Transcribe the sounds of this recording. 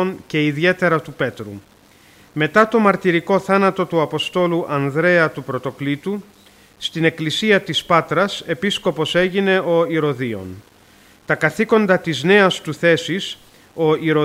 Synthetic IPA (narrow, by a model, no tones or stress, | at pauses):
once̞iðie̞t̪e̞ɾɐt̪upe̞t̪ɾṵ | me̞t̪ɐt̪o̞mɐɾt̪iɾiko̞θɐnɐt̪o̞t̪uɐpo̞st̪o̞luʔɐnðɾe̞ɐt̪upɾo̞t̪o̞klit̪u | st̪ine̞klisiɐt̪ispɐt̪ɾɐse̞pisko̞po̞se̞ʝine̞o̞iɾo̞ðio̞̰n | t̪ɐkɐθiko̞nd̪ɐt̪izne̞ɐst̪uθe̞sis | o̞iɾo